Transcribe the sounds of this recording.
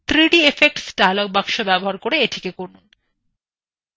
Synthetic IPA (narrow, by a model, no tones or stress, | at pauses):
t̪ɾiʈiefek̚ʈsʈajlok̚baŋʃobɛboɦaɾkoɾeeʈʰikekoɾnun